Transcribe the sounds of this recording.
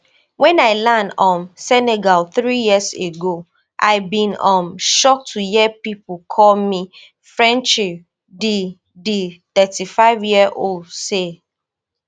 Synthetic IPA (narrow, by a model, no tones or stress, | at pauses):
wɛ̃naɪlanɔ̃msɛneɡalθɹijiəseɡo | ʔa̰ɪbĩnɔ̃mʃɔk̚tʰujɛpipukʰɔlmi | fɹɛ̃nt͡ʃi | di | diθɛtifaɪvjiəʔoldse